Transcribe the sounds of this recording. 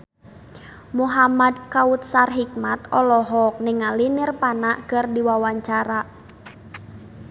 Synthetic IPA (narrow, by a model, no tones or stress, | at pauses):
muɦamad̪kaut̪̚sarɦik̚mat̪ɔlɔɦɔk̚nɪŋalinɪrpanaʔkɨrdiwawaɲt͡ʃaɾa